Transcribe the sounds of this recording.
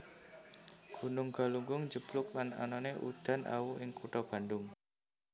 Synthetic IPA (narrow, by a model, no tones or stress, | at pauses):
ɡ̥unʊŋɡ̥a̤luŋɡʊŋd͡ʒəb̥lʊk̚lana̰nɔneʔṵd̪̥ä̤nʔa̰wuʔɪŋkuʈɔb̥ä̤nɖʊŋ